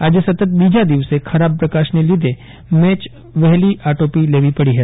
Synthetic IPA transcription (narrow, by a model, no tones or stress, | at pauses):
aːd͡ʒesɐt̪ət̪̚biːd͡ʒad̪iʋsekʰɐɾaːb̚pɾɐkaːʃnelid̪ʱe | mɛːt͡ʃ | ʋɛɦliʔaːʈoːpileːʋipɐɽiɦɛ